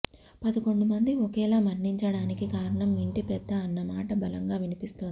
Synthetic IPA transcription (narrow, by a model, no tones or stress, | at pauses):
pɐd̪ɐko̞ɳɖumɐnd̪iokɛːlaːmɐnːiɲt͡ʃɐɽaːnikikaːɾɐɳɐmiɳʈipɛd̪ːɐːnːɐmaːʈɐbɐlɐŋɡaːʋinipist̪oːnd̪i